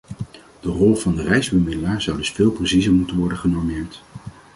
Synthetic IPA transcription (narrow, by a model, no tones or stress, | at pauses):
d̥ərɔlˠvɑndərɛjzbəmɪdəlaːɹzɑwdɵsfɪːlˠprəsizəmutənʋɔɹdəχənɔɹmɪːɹt